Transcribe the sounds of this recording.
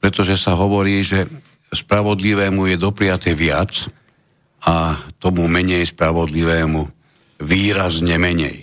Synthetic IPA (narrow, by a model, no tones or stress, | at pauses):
pɾɛt̪ɔʒɛsaɦɔʋɔɾiːʒɛ | spɾaʋɔd̪liʋɛːmujɛd̪ɔpɾijat̪ɛʋɪat͡s | at̪ɔmumɛɲɛjspɾaʋɔd̪liʋɛːmu | ʋiːɾazɲɛmɛɲɛ̰j